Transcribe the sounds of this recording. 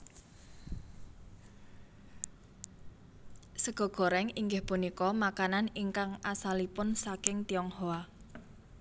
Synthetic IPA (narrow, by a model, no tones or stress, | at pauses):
səɡ̥ɔ̤ɡ̥ɔ̤ɾɛŋiŋɡɪhpunikɔmakananiŋkaŋasalipʊnsakɪŋt̪iɔŋhoa